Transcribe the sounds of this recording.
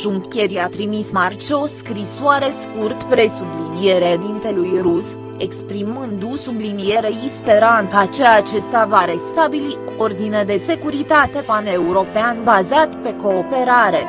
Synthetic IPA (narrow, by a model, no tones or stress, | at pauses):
ʒuŋkʲe̞ɾiat̪ɾimismart͡ʃo̞skɾisoaɾe̞skurt̪pɾe̞sublinije̞ɾed̪int̪e̞lujrus | e̞kspɾimɨnd̪usublinije̞ɾe̞ispe̞ɾant̪at͡ʃeaːt͡ʃe̞st̪avaɾe̞st̪abiliord̪ined̪e̞se̞kuɾit̪at̪e̞pane̞uɾo̞peanbazat̪pe̞ko̞ːpe̞ɾaɾe̞